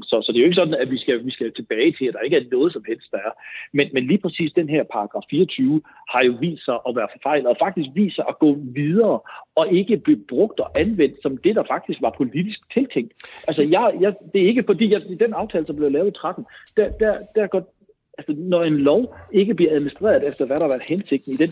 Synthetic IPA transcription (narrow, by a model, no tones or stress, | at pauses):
sɒ̽sɒ̽d̥e̝joe̝ɡə̥sɒ̽d̥n̩æʋisɡ̥æʋisɡ̥æjot͡sʰe̝b̥ɛːɪt͡sʰe̝læd̥ɑ̈e̝ɡ̥əæɐnɔ̽ːð̞̩ˠsɒ̽mhel̰sd̥ɑ̈æɐmenmenliːpʰʁɛsḭːsd̥enɦeɐ̰pʰɑ̈ʁɑɡ̥ʁɑ̈fːiːɐt͡sʰyːʊ | hɑ̈jo̝ʋḭːsd̥sɑ̈ɪʔɒ̽ʋæːɐfɒfɑ̈ɪ̰lɒfɑ̈ɡ̥̚d̥isɡ̥̚ʋḭːsɑɪʔɒɡ̥ɔ̰ːʋið̞ˠɐːɒ̽e̝ɡ̥əb̥le̝b̥ʁɔ̽ɡ̥̚d̥ɒ̽ʔænʋen̰d̥sɒ̽md̥e̝d̥ɑ̈fɑ̈ɡ̥̚d̥isɡ̥ʋɑ̈pʰo̝lid̥isɡ̥t͡sʰe̝lt͡sʰeŋ̰d̥ʔælsəjɑ̈ɪjɑd̥e̝æɐe̝ɡ̥əfɒ̽d̥ḭːjad̥enɑ̈ʊt͡sʰɛːləsɒ̽mb̥le̝ʊlɛʊðˠt͡sʰʁɑd̥n̩d̥æd̥æɐd̥æɐɡ̥ɒ̽d̥̚ | ælsənɒe̝nlɒʊe̝ɡ̥əb̥liɐæð̞ˠminisd̥ʁḛɐð̞ˠefd̥ɐʋæɾɑhɑʋæɐd̥hense̝ɡ̥d̥n̩id̥en